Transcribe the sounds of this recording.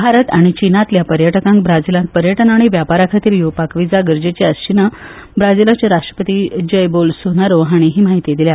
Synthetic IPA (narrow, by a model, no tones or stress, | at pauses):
bʱaɾət̪aɽ̃it͡ɕinat̪ljapəɾjəʈəkãŋkbɾad͡zilãŋk̚pəɾjəʈənaɽ̃iʋjapaɾakʰat̪iːɾjopakʋid͡zaɡəɾd͡ʑet͡ɕeəst͡ɕinə | bɾad͡zilat͡ɕeɾaʂʈɾə̥pət̪iːd͡ʑəjbolsonaɾoɦaɽ̃iɦiːm̤aɦit̪ed̪ilja